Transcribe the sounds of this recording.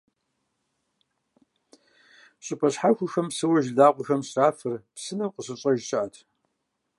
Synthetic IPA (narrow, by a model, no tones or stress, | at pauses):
ɕʼʊpʼʰɐɕħaxʷʊxɐmsɨwɐʒdaːqʷʊxɐmɕraːfɨrpsɨnɐmqəɕʼɨɕʼɐʒɕɪʔatʰ